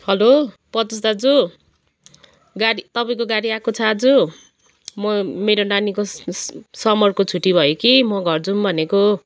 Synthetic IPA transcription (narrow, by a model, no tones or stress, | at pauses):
hʌlo | pʌt̪us̬d̪ad͡zu | ɡaɽit̪ʌpaĩkoɡaɽiakot͡sʰʌd͡zu | mʌmeɾonaniko | sʌmʌrkot͡sʰuʈibʱʌjokimʌɡʱʌrd͡zumbʱʌneko